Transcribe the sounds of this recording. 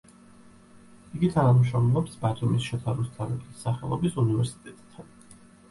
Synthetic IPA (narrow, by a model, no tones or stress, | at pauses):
iɡit̪ʰanamʃɔmlˠɔpsbat̪ʰʼumisʃɛt̪ʰaɾist̪ʰavɛbʰisːaχɛlˠɔbisunivɛɾsi̥t̪ʼɛt̪ʼd̪ʰan